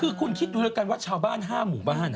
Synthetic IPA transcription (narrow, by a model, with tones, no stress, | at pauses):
kʰɯː˧kʰu˧nkʰi˦˥t̪̚duː˧lɯː˦˧˥ka˧nwa˦˥˩t͡ɕʰaː˧wbaː˥˩nɦaː˥˩muː˩˦baː˥˩n